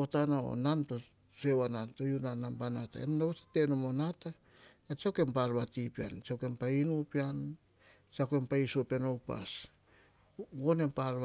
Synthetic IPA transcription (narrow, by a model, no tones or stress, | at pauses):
otanao̰nanto | sewananto̞junanambanata̰ḛnnaβatḁte̞nomonata | et͡ʃawke̞mpaɾβatipia̰nt͡ʃawke̞mpainupian | t͡ʃake̞mpaisopanowpa̰s | ɡo̞ne̞mpaɾβ